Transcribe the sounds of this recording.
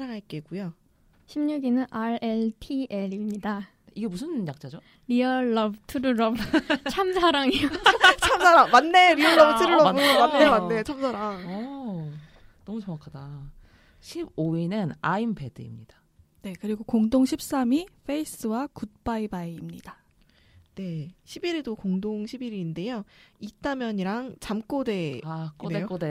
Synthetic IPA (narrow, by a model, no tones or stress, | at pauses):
ɾaɾaɭk͈eɡujo | ɕʰimɲuɡinɯnʔaɾeɭtʰieɾimɲida | iɡe̞musʰɯnjak̚t͡ɕ͈ad͡ʑo | ɾiʌːʌbɯtʰɯɾɯɾʌbt͡ɕʰamsʰaɾaŋijot͡ɕʰamsʰaɾaŋmanːe̞ɾiʌɭːʌbtʰɯɾɯɭːʌɯmanːemanːet͡ɕʰamsʰaɾaŋ | nʌmut͡ɕʌŋakʰada | ɕʰib̚oinɯnaimpe̞dɯ̰ḭmɲid̥a | ne̞kɯɾiɡokoŋdoŋɕʰip̚s͈amiɸʰe̞is͈ɯwakut̚p͈aibaiːmɲid̥a | ne̞ɕʰibiɾedokoŋdoŋɕʰibiɾiːnde̞joit͈amjʌɲiɾaŋt͡ɕamk͈ode̞ak͈odeeok͈ode